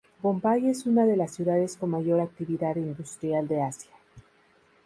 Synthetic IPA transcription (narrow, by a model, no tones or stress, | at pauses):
bo̞mpaje̞sunaðe̞lasːjuðaðe̞sko̞nmaʝo̞ɾak̚t̪iβiðaðind̪ust̪ɾjald̪e̞asjḁ